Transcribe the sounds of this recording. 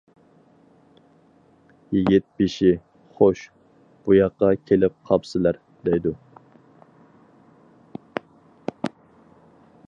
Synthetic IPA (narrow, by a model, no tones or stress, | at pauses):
jiɡʲit̪̚biʃi | χoʃ | b̥ujɑqːɑkʲʰelɪp̚qʰɑpsɪlæɾ | d̪ɛjd̪u